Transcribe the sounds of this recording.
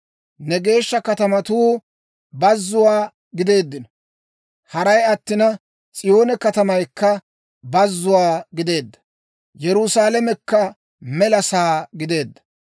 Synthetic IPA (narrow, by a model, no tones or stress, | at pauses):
nɛɡe̞ːʃːɐkɐt̪ɐmɐt̪uː | bɐzːʊwaː | ɡɪd̪e̞ːd̪ːɪnɔ | hɐɾɐjɐt̪ːɪnɐ | t͡sʼɪjo̞ːnɛkɐt̪ɐmɐjkːɐ | bɐzːʊwaːɡɪd̪e̞ːd̪ːɐ̥ | jɛɾʊsaːlɐmɛkːɐ | mɛlɐsaːɡɪd̪e̞ːd̪ːɐ